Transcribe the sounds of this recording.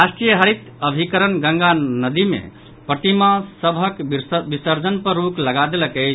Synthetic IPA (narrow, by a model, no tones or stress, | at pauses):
ɾasʈɾijəɦəɾit̪ | əbʱikəɾənɡə̃ŋɡanəd̪imḛ | pət̪imãsəbʱəkbisəɾd͡ʒənpəɾɾukləɡad̪eləkəɪt͡ʃʰ